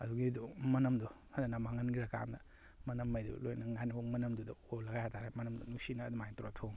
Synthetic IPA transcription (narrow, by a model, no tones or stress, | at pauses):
ɐduɡidumɐnɐmdɔ | hananɐmaŋɐnɡiɾɐka̰ndɐ̰ | mɐnɐmːajdṵlojnɐŋanibomɐnɐmdudɐolɐɡajatʰaɾemɐnɐmdunusinɐːdumajtɾatʰoŋ